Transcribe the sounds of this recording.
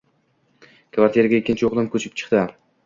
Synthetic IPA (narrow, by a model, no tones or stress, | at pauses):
kʰvaɾt̪ʰijeɾaɡʲaekʲːɪnt͡ʃʰɪoqlˠɪmkʰɵt͡ʃʰɪ̥p̚t͡ʃʰɨ̥qt̪ɪ